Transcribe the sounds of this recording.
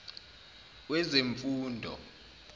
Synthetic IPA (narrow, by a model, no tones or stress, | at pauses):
wɛzeɱfuːndʱɔ̰